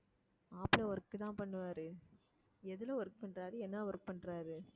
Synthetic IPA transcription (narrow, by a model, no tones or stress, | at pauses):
aːplɐʋɐɾkːɯt̪ãːpɐɳːɯʋaːɾɯ | ɛðɯlɐʋɐɾk̚pɐɳɾaːɾɯɛnːaʋɐɾk̚pɐɳɾaːɾɯ